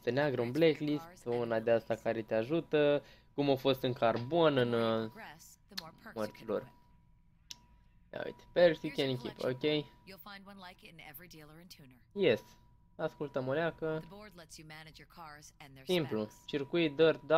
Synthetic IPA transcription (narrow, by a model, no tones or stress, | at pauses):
st̪əneaɡɾəunbleklist̪unad̪east̪akaɾe̞t̪eaʒut̪ə | kumofo̞st̪ɨŋkarbo̞nɨn | mərt̪silo̰r | a̰ṵjt̪e̥peɾsikʲenikʲḭpo̰kʲejjulˠfãɪ̃nd̚wʌ̃nlaɪkɪ̃nɛvɹidilˠə̃ntʰunə˞jes | askult̪əmolʲeakəɔɹdˡlɛtsjɨmænɨd͡ʒə˞kʰɑɹznsimplut͡ʃirkujd̪ərd̪a